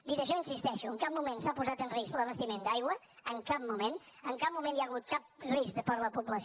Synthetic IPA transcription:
d̪it̪əʃ̬ɔinsist̪ɛʃuəŋkap̚mumensapuzat̪ənrisləβəst̪imẽnd̪ajɣwə | əŋkap̚mumenəŋkap̚mumẽnjaɣut̪̚kap̚riskd̪əpəɾləpupləs

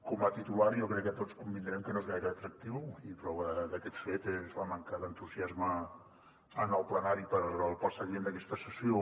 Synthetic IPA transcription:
komət̪it̪ulaɾjokɾɛkːət̪otskumbind̪ɾɛmkənoezɣajɾəːt̪ɾək̚t̪iwipɾɔβəðəkɛt̪fet̪ezlaməŋkaðənt̪uziazmə | ənəlˠplənaɾipəɾəlˠpəsəɣimend̪əkɛst̪əsəsio

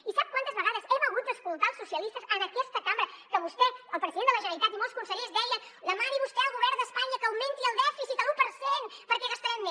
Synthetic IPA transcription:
isap̚kwant̪əzβəɣaðəzɛməɣut̪̚d̪əskulˠt̪aəlˠsusiəlist̪əzənəkɛst̪əkambəɾəkəβust̪ɛəlˠpɾəziðend̪ələʒənɾit̪at̪imɔlˠskunsəʎezd̪ɛjənləmaɾiβust̪ɛəlˠɣuβɛrnd̪əspaɲəkəwment̪iəlˠd̪ɛfisit̪əlupəɾsenpəɾkɛɣəst̪əɾanme

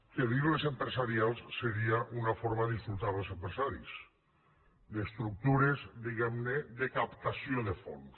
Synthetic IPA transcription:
keðiɣlezempɾesaɾialˠsːeɾiaʔunafoɾmaðisfɾut̪aβəlˠsempɾesaɾḭs | d̪est̪ɾuk̚t̪uɾezd̪iɣɛmned̪ekapt̪asijoðefo̰n

